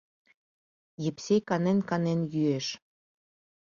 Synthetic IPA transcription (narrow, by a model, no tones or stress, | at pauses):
jepsekɑnenkɑnenjyeʃ